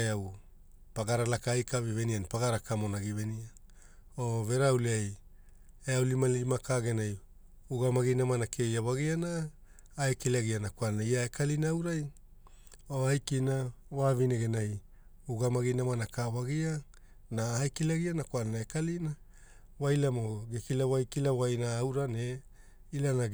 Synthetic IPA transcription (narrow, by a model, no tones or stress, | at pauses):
eaw | paɡaɾalakaajkavivenianpaɡaɾakamonaɡivenia | oveɾawliaj | eawlimanlimakaɡenaj | uɡamaɡinamanakʰe̞jawaɡianaː | ekilaɡianakwalnaiaekalinaawɾaj | oajkinawavineɡenaj | uɡamaɡinamanakawaɡia | naajkilaɡianakwalnaekalina | wajlamoɡekilawajkilawajnaːwɾane | ilana